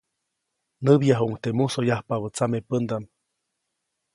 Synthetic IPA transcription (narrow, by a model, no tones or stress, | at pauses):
nəβjaɦuŋt̪emusojahpaβət͡samepənd̪am